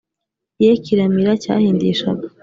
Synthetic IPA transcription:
jekiɾamiɾaca̰ːhiːndiʃa̰ɡa

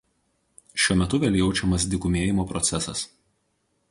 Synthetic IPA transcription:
ʃʲuɔmʲɛt̪ʊʋʲɛːlʲjɛʊt͡ʃʲɛmɐs̬d̪ʲɪkʊmʲeɛjɪmoːpɾɔt̪sʲɛsɐ̰s

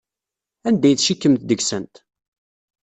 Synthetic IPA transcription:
ænd̪æjθʃikːəmt̪d̪əɡsənt̪

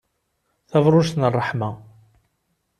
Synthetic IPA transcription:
θævɾˤʊʃt̪nərˤːəħma

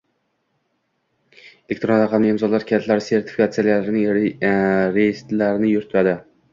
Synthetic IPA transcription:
elek̚t̪ɾonɾaqʰɑmnɪɪmzɒlaɾkʲʰat̪ʰlaɾɪse̞ɾt̪ʰɪ̥fi̥kʰat̪sijalijalaɾɪnɪŋ | ɾejist̪laɾnɪjʊɾt̪ʰad̪ɪ

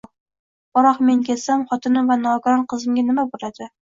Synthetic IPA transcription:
bɒɾɒqme̞ŋkʲelsamχɒt̪ʰɪnɪmvanɒɡaɾɒnqʰɨzɪmɡʲanɪmabolad̪̥ɪ

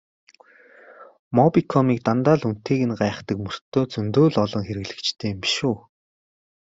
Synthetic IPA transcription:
mɔpikʰɔmiːk̚t̪ant̪aːɮun̥t̪ʰeːɣɘ̆nɢaːχt̪ə̆kmɵr̥t̪ʰːoːt͡sɵnt̪oːɮɔɮɞ̆ŋxeɾɘ̆ɣɮɘ̆kt͡ɕt̪ʰeːmpiʃuː

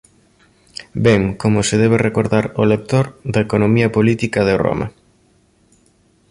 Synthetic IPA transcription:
bɛŋkomʊsɪðɛβ̞erekoɾðaɾolek̚t̪oɾd̪ɐekonomiɐpolit̪ikɐðero̰mɐ̰

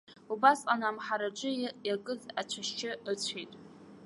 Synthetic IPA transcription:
ubasʼanamħaɾaʈ͡ʂʼɨjakʼɨzat͡ɕʷʰaʃt͡ʃʰɪət͡sʷʰejtʼ

